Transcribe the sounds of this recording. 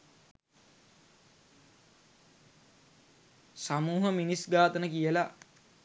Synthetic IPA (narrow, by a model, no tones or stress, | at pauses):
samuːɦəminisɡaːt̪ənəkijəla